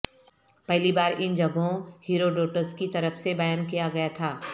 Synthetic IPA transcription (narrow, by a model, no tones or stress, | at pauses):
pɛɦlibaːɾɪnd͡ʒɐɡõhiːɾoɖoːʈəskit̪ɐɾəfsebɐjaːnkijaɡɐjat̪ʰaː